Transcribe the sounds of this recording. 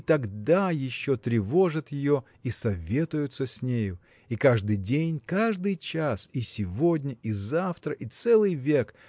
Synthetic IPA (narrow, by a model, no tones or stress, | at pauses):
t̪ɐɡd̪ajɪɕːo̞t̪ɾʲɪvo̞ʐət̪jɪjo̞ | isɐvʲe̞t̪ʊjʊt̪səsʲnʲejʊ | ikaʐd̪ɨjdʲenʲkaʐd̪ɨjt͡ɕasisʲɪvo̞dʲnʲəʔizaft̪ɾəʔit̪sɛlˠɨjvʲe̞k